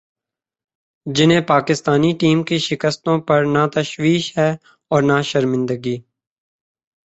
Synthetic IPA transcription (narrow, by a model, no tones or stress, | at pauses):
d͡ʒɪnɦẽpaːkɪst̪aːniʈiːmkiʃɪkəst̪õpɐɾnat̪əʃwiːʃɦɛː | ɔːɾnaʃəɾmɪ̃nd̪əɡiː